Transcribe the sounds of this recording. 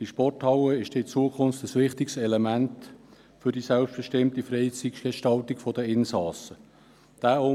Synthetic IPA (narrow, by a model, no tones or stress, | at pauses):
iʃpɔrthɑwəɪʃd̥ɛɪt͡suəkʰʊnftəsʋɪχt̪ɪksɛlemænt | fʏɾd̥isælpsb̥ɛʃtɪmt̪ifɾɛɪt͡siksɡ̥eʃtɑltɪkfɔdəɪnsɑːsə | d̥æːo